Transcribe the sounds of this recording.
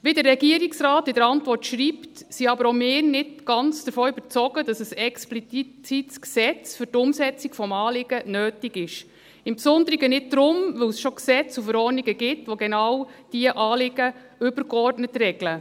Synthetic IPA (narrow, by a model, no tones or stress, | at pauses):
ʋidərːɛɡiəɾiksrɑːtɪdəɾɑntʋɔrtʃɾiːptsiɑbəɾomɪːɾnɪtɡ̥ɑnt͡sd̥əɾfɔːyb̥əɾt͡sɔɡ̥ədɑsəsɛkspli | t͡sitsksɛt͡sfʏtʊmsɛt͡sikfɔmɑːlɪɡ̥ənøːtiɡɪʃ | ɪmpsʊnd̪əɾɪɡənɪt̚dɾʊmʋɵwsʃoksɛt͡sufəɾɔɾniɡəɡɪtʋoɡɛnɑwd̥iəʔɑːlɪɡə | ʏbəɾkɔrdnətrɛɡlə